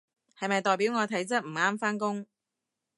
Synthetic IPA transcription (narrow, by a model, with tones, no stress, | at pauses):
hɐ˨jmɐ˨jt̪ɔː˨˩jpi˨˥wŋɔː˨˧t̪ʰɐ˨˥jt͡sɐ˥t̚m̩˨˩aː˥mfaː˥nkʊ˥ŋ